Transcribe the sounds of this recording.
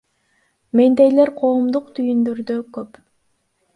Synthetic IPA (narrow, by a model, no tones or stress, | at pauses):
mend̪ejleɾqʰo̞ːmd̪uqt̪ʰyjynd̪øɾd̪økøp